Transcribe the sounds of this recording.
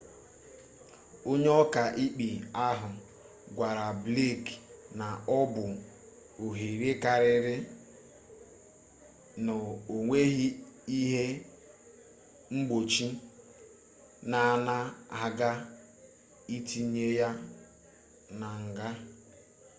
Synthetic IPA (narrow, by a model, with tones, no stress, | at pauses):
o˦ɲ˦ɔ˦ka˨ʔi˦k͡pi˨a˦ɦʊ˨ | ɡʷa˨ɾa˨ble˦˨kna˨ɔ˦bʊ˨ | o˨ɦe˨ɾe˦ka˨ɾɪ˨ɾɪ˦ | nʊ˨o˨ŋʷe˦ɦi˦i˦ɦe˦ | ŋ͡m̩˦ɡ͡bo˨t͡ʃi˦ | na˨na˦a˨ɡa˦ | i˦ti˦ɲe˦ja˦ | na˨ŋ̩˨ɡa˦